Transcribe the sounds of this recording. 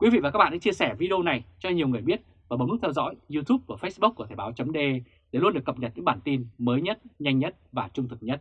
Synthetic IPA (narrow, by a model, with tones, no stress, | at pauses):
kwi˨˦vḭ˧˨va˨˩kaː˦˥ɓa̰ː˧˨˧a̰˧˥t͡ɕi˧əsɛ˧˩vi˧ɗo˧na˨˩jt͡ɕɔ˧ɲi˨˩əwŋɨ˨˩əjɓi˦˥ət̚ | vaː˨˩ɓo˨˦nʊ˦˥t̪ʰɛ˧wzɔ̰˧˥jzu˧t̪ʰu˦˥p̚vaː˨˩fə˦˥sɓu˦˥k̚u˧˩ət̪ʰaː˧˩ɓaː˨˦wt͡ɕə˨˦ŋ͡mɗe˧ | ɗe˧˩lu˧nɗɨ˨˩əkːə˨˩p̚ɲə˨˩t̚ɲɨ̰˧˥ɓaː˧˩nt̪i˧nməː˨˦jɲə˦˥t̚ɲa˧jŋɲə˦˥t̚vaː˨˩t͡ɕʊ˧ŋ͡mt̪ɨ˨˩k̚ɲə˦˥t̚